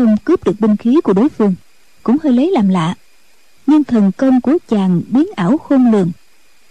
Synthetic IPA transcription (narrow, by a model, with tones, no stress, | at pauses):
xə˧wŋ͡mkɨ˨˦˥p̚ɗɨ˨˩ək̚ɓï˧ŋ̟xi˨˦ku˧˩əɗo˨˦jfɨ˧əŋ | kʊ̰˧˥ŋ͡mhəː˧jlə˨˦jlaː˨˩mla̰ː˧˨ | ɲɨ˧ŋt̪ʰə˨˩nkə˧wŋ͡mku˧˩ət͡ɕaː˨˩ŋɓi˨˦ənʔaː˧˩wxo˧nlɨ˨˩əŋ